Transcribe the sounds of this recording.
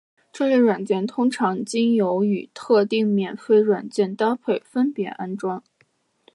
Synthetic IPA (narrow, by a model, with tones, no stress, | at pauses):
ʈ͡ʂɤ˥˧ljɛ˥˩ɪwa˨˩nt͡ɕjɛ˥˩nt̪ʰʊ˥ŋʈ͡ʂʰɑ˧˥ŋt͡ɕi˥ŋjo˧˥ʊy˨˩t̪ʰɤ˥˧t̪i˥˩ŋmjɛ˨˩nfe˥˩ɪɻwa˨˩nt͡ɕjɛ˥˩nt̪a˥pʰe˥˩ɪfə˥npjɛ˧˥ʔa˥nʈ͡ʂwɑ˥ŋ